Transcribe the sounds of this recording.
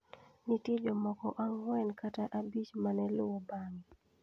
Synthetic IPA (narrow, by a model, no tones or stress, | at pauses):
nitid͡ʒomɔkɔʔaŋwɛnkataʔabit͡ʃmanɛlʊwobaŋi